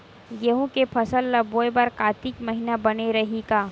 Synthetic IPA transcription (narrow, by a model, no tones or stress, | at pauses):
ɡeɦũkepʰɐsəlːɐboːebaɾkaːt̪ikmɐɦinabɐneɾɐɦikaː